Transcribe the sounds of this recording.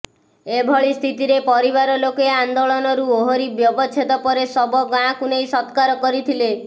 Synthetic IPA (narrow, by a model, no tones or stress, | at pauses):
ebʱɔɭist̪ʰit̪iɾepɔɾiβaɾɔlokeand̪oɭɔnɔɾuoɦɔɾibjɔbɔt͡ʃʰet̪ɔpɔɾesɔbɔɡãkunejsɔt̪kaɾɔkɔɾit̪ʰile